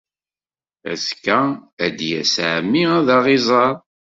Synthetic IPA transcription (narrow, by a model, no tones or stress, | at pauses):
æ̰skːææd̪jæsʕmːiæðɑʁizˤɑɾˤ